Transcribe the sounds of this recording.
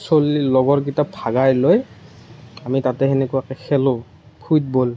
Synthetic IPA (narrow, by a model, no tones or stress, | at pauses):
solilɔɡɔɹk̬itapʰaɡajloj | amitatɛɦɛnɛkuwakɛxʰɛlõ | pʰut̚bol